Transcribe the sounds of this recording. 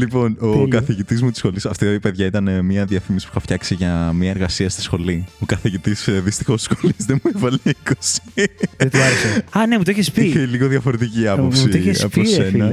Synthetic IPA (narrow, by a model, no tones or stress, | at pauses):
lipo̞nokɐθiʝit̪izmut̪isxo̞lisɐft̪iipe̞ðʝɐit̪ɐnemiɐðiɐfimisi̥puxɐft̪çɐksiʝɐmiɐe̞ɾɣɐsiɐst̪i̥sxo̞lio̞kɐθiʝit̪isðist̪i̥xo̞st̪sxo̞lizðemuevɐleikosi̥et̪uɐɾsɐɐnemut̪oiçespiçeliɣo̞ðʝɐfo̞ɾe̞t̪iciɐppopsiçeɐpossenɐ